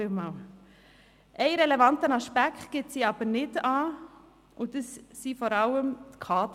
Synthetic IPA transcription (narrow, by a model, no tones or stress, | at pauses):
ɪmɑl | ʔɛɪɾɛlɛvɑntənɑʃpækχtɡ̥ɪtsiɑb̥əɾnɪdɑː | ʔʊdəsːifɔɾɑləmt̪kʰɑːt̪